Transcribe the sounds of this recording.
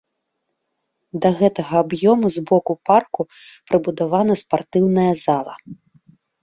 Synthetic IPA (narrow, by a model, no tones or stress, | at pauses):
d̪ɐɣɛt̪ɐɣɐːbjɔmuzbɔkuparkupɾɨbud̪avanɐspart̪ɨwnɐjɐzalˠɐ̰